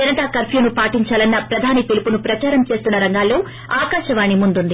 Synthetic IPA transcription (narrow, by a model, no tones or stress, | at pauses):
ɐnɐʈakɐɾpʰjunupaːʈiɲt͡ʃaːlɐnːɐpɾɐd̪ʱaːnipilipunupɾɐt͡ʃaːɾɐmt͡ʃe̞ːst̪unːɐɾɐŋɡaːlːo̞ː | aːkaːʃɐʋaːɳimund̪und̪i